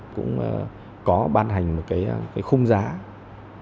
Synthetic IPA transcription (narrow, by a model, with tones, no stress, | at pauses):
kʊ̰˧˥ŋ͡mʔə˧˨˩ | kɔ˨˦ɓaː˧nɦa˨˩jŋ̟mo˨˩t̚kaː˨˦jkaː˨˦jxʊ˧ŋ͡mzaː˨˦